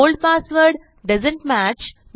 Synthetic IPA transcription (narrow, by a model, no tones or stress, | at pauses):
oːlɖ̚paːsʋəɾɖ | ɖɐzə̃ɳʈmæt͡ʃ